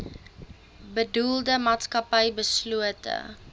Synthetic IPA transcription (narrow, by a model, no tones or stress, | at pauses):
bədulˠdəmaːtskɐpɛjbəsluətə̰